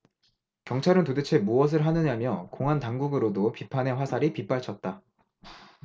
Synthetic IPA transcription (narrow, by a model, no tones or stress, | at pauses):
kjʌŋt͡ɕʰaɾɯntodɯt͡ɕʰe̞muwʌs̬ʰɯɭɦanɯɲamjʌkoŋɦantaŋɡuɡɯɾodopipʰane̞ɸwasʰaɾipip͈aɭt͡ɕʰʌt̚t͈a